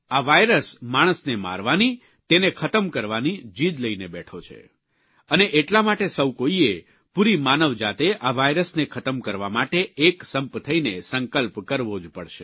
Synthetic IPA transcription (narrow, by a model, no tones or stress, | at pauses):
aʋajɾəsmaɽ̃əsnema̰ɾʋani | t̪enekʰət̪əmkəɾʋanid͡ʒid̪ləinebɛʈʰot͡ʃʰḛ | əneʔeʈlamaʈesəwkoie | puɾimanəʋd͡ʒat̪eʔaʋajɾəsnekʰət̪əmkəɾʋamaʈeːksəmpt̪ʰəinesəŋkəlpkəɾʋod͡ʒpəɽʃḛ